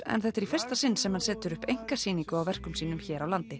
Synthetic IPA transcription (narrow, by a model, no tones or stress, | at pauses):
ɛ̰nθɛht̪ɛɾifɪr̥st̪asɪnːsɛmhansɛːt̪ʏɾʏhpejŋ̥kḁsiːniŋkʏawvɛr̥kʏmsiːnʏmçɛːɾawlant̪ɪ